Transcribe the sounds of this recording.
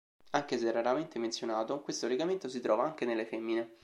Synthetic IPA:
aŋk̟es̬eɛrːaɾament̪ement̪sjonaːt̪okwest̪oleɡament̪osit̪ɾɔːvaaŋk̟enelːefɛmːine

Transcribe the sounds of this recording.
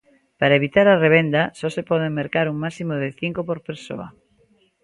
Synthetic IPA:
paɾaeβit̪aɾareβ̞end̪asɔsepɔð̞eŋmeɾkaɾuŋmasimoðeθiŋkopoɾpeɾso̰ɐ̰

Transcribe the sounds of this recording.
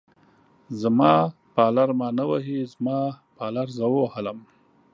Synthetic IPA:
zmɑ | pɑːlaɾmɑnawaɦizmɑpɑːlaɾzəwohələm

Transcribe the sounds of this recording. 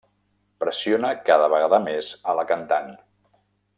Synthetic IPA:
pɾəsionəkaðəβəɣaðəmezələkənt̪an

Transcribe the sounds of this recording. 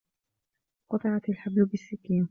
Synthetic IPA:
qɑt̪ˤɨʕat̪alħablʊbɪsːɪkːiːn

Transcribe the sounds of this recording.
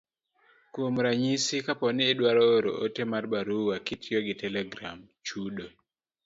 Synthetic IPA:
kwomɾaɲisikapɔnɪːdwaɾɔoɾo̰ʔotemarbaɾuwakitjoɡɪtɛlɛɡɾa̰m | t͡ʃudo

